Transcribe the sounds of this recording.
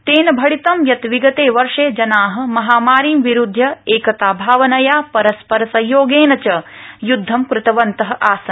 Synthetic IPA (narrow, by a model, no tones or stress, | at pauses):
t̪eːnɐbʱɐɽit̪ɐmjɐt̪ʋiɡɐt̪eːʋɐɾʂeːd͡ʒɐnaːɦɐ̆mɐɦaːmaːɾiːmʋiɾud̪ʱːjɐeːkɐt̪aːbʱaːʋɐnɐjaːpɐɾɐspɐɾɐsɐjoːɡeːnɐt͡ʃɐjud̪ʱːɐmkɾɪt̪ɐʋɐnt̪ɐɦɐ̆ʔaːsɐn